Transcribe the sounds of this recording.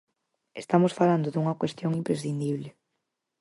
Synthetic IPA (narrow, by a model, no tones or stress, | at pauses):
est̪amosfaland̪oðuŋɐkwest̪joŋimpɾesθind̪iβlɪ